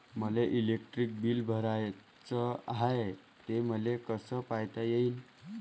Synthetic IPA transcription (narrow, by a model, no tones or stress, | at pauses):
məleʔilek̚ʈɾik̚biːlbʱəɾaj | t͡səɦae | t̪eməlekəsəpajt̪ajein